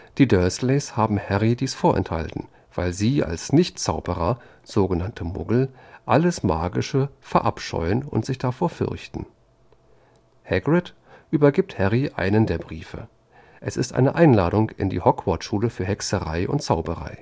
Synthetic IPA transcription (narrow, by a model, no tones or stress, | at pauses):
d̥iːdœɐsleːshaːbm̩hɛʁidiːsfoːɐʔɛ̰ntha̰ltn̩ | v̥aɪlziːa̰lsnɪçtt͡saʊbəʁɐ | z̥oːɡənantʰəmʊ̰ɡl̩ʔaləsmaːɡɪʃəfɛɐʔa̰pʃɔ̰ʏənʊ̰ntz̥ɪçd̥afoːɐfʏ̰ʁçtn̩ | hɛɡʁɛt | ʔyːbɐɡɪːp̚thɛʁiʔa̰ɪnəndeːɐbʁiːfə̰ | ʔɛsɪstʔa̰ɪnəʔaɪnlaːɾʊŋkɪ̰ndḭːhɔkv̥ɔtʃuːləfyːɐɦɛksəʁaɪʔʊ̰nt̚t͡saʊbəʁa̰ɪ